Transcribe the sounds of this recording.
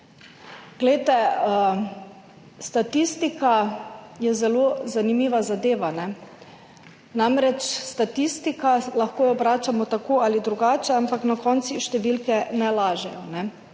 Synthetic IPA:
ɡ̥lɛjt̪ɛ | st̪at̪ist̪ikajɛzɛlozanimiːʋazad̪eːʋanɛ | namɾɛt͡ʃst̪at̪ist̪ikalaxkoːjɔbɾaːt͡ʃamɔt̪akoːalid̪ɾuɡaːt͡ʃɛampaknakɔnt̪siʃt̪ɛʋilkɛnɛlaːʒɛjɔnɛ

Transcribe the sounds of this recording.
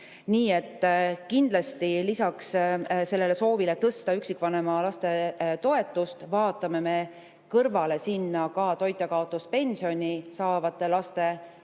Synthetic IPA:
niːe̞t̪ˑːkind̪̥lɑst̪ilisɑksse̞lːe̞le̞so̞ːvile̞t̪ɤst̪ɑyksikːvɑne̞mɑlɑst̪e̞t̪o̞e̞t̪ːˑust̪vɑːt̪ːˑɑme̞me̞ | kɤrvɑle̞sinːɑkɑt̪o̞jt̪ːˑekɑo̞t̪ːˑuspe̞nʲsio̞nʲisɑːvɑt̪ːˑe̞lɑst̪e̞

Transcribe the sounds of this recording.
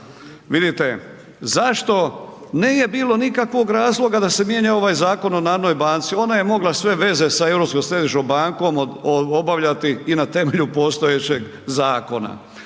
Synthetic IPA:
ʋid̪it̪e̞ | zaʃt̪o̞ | neːje̞biːlo̞nikakʋo̞ɡɾaːzlˠo̞ɡad̪ase̞mje̞ɲao̞ʋaːjzaːko̞no̞naːɾnojbant̪sio̞naje̞mo̞ɡlasʋe̞ʋe̞ze̞saewɾo̞psko̞msɾe̞d̪iʃombaŋko̞mobaʋʎat̪iːnat̪e̞me̞ʎupo̞st̪o̞je̞t͡ɕeɡ | zaːko̞na̰

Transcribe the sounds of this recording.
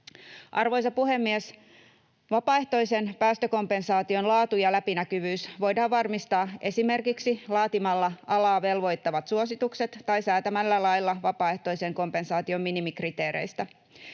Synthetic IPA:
ʔɑrʋo̞js̬ɑpuɦe̞mːies | ʋɑpɑːe̞ht̪o̞jse̞npæːst̪øko̞mpe̞nsɑːt̪io̞nlɑːt̪ujɑlæpinækyʋyːsʋo̞jdɑːʋʋɑrmist̪ɑːʔe̞sime̞rkiksilɑːt̪imɑlːɑɑlɑːʋe̞lʋo̞jt̪ːɑʋɑt̪suo̞sit̪ukse̞t̪ːɑjsæːt̪æmælːælɑjlːɑʋɑpɑːe̞ht̪o̞ijse̞ŋko̞mpe̞nsɑːt̪io̞mːinimikrit̪e̞ːɾḛjst̪æ

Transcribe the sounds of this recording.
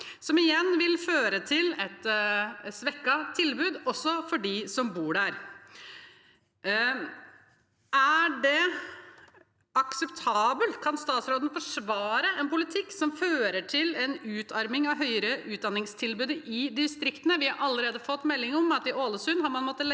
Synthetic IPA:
sɔmɪjɛnːʋɪlføːɾət̪ʰɪlɛt̪ | sʋɛkːɑt̪ʰɪlbʉːd̪ɔsːɔfɔɖisɔmbuːɖæɾ | æɖɛ | ɑksɛpt̪ʰɑːbəlt̪kʰɑnst̪ɑːt̪sɾoːd̪ən̩fɔʂʋɑːɾəʔɛnpʊlɪt̪ʰɪkːsɔmføːɾəʈʰɪlɛnʉːt̪ʰɑɾmɪŋɑʋɦœʏəɾəʉːd̪ɑnːɪŋst̪ʰɪlbʉːd̪əʔɪd̪ɪst̪ɾɪkt̪ənəʋɪhɑɾʔɑlːəɾeːd̪əfɔt̪ːmɛlːɪŋəɔmɑt̪ɪʔoːləsʉnːhɑɾmɑnmɔt̪ːəl

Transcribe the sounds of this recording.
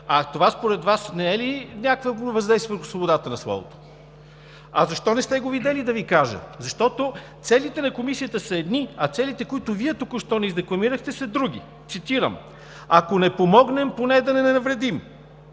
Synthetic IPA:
ɐt̪ovaspoɾɛd̪vasnɛɛlinʲakvəvɐzd̪ɛjsvəvəɾxʊ̥svobod̪at̪ənɐslˠɔ̰vo̰t̪o̥ | ɐzɐʃt̪ɔnɛst̪ɛɡovid̪ɛlid̪ɐvikaʒə̰zɐʃt̪ɔt̪ot̪sɛlit̪ɛnɐkomisijət̪əsɐɛd̪niɐt̪sɛlit̪ɛkoit̪ʊviɛt̪ukʊʃt̪ɔnɛizd̪ɛklˠɐmiɾəxt̪ɛsɐd̪ɾuɡ̟ḭ | t̪sit̪iɾə̰m | ɐkonɛpomɔɡnɛmponɛd̪ɐnɛnɛnɐvɾɛd̪im

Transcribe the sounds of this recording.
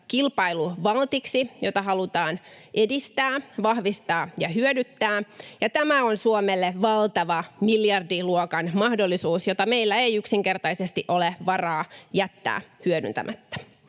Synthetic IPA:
kilpɑiluʋɑlt̪iksijo̞t̪ɑɦɑlut̪ɑːnʔe̞dist̪æːʋɑhʋist̪ɑːjɑɦyødyt̪ːæːjɑt̪æmæo̞nsuomelːeʋɑlt̪ɑʋɑmiljɑrdiluokɑnmɑhdolːisuːsjot̪ɑme̞jlːæejyksiŋke̞rt̪ɑisest̪iʔo̞leʋɑrɑːjæt̪ːæ̰ːhyødynt̪æ̰mʔæt̪ːæ̥

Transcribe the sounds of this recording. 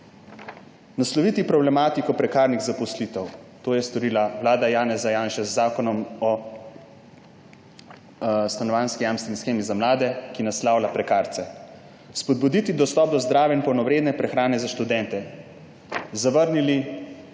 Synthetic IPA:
naslɔʋiːt̪ipɾɔblɛmaːt̪ikɔpɾɛkaːɾniɣzapɔslit̪ɛwt̪oːjɛst̪ɔɾiːlaʋlaːd̪ajaːnɛzajaːnʃɛzːaːkɔnɔmɔ | st̪anɔʋanskijaːmst̪ʋenisxeːmizamlaːd̪ɛkinaslaːwlapɾɛkaːɾt̪sɛ | spɔd̪̚bud̪it̪id̪ɔst̪ɔp̚d̪ɔzd̪ɾaːʋɛinpɔwnɔʋɾeːd̪nɛpɾɛxɾaːnɛzaʃt̪ud̪ɛnt̪ɛ | zaʋəɾnili

